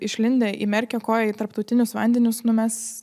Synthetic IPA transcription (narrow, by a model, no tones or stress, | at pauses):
ɪʃʲlʲɪnʲd̪ʲeːʔḭːmʲɛɾʲkʲɛkoːjɛit̪ɐɾpt̪ɒʊt̪ʲɪnʲʊsʋɐnʲd̪ʲɛnʲʊsnʊmʲɛs